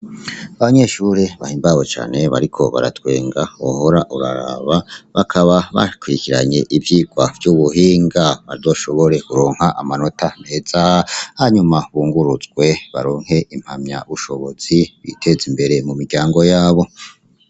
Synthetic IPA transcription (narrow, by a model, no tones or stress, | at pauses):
aβaɲe̞ʃuɾeβahiːmbaβo̞t͡ʃa̰ːne̞βa̰ɾikʰo̞̰βa̰ɾa̰twe̞̰ːŋɡauho̞ɾaʔuɾa̰ɾa̰βaβakʰaβaβa̰kwiɾikiɾa̰ɲe̞ʔibjiːɡwav̥juːβuɦiːŋɡaβaɾzo̞ʃo̞βo̞ɾe̞kuɾoːŋ̥haʔamano̞tane̞ːz̥ahaɲumaβuːŋɡuɾuzɡwe̞βaɾoːŋhe̞ʔim̥hamɲa̰βuʃo̞βo̞z̥iβḭtʰe̞zimbe̞ɾe̞mumiɡɟaːŋɡo̞jaːβo̞